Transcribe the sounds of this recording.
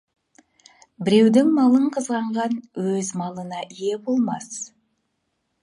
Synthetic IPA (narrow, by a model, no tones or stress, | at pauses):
bɪɾe̞wd̪ɪŋmɑlˠəɴqʰəzʁɑɴʁɑnwɵzmɑlˠənɑʔije̞bo̞lˠmɑs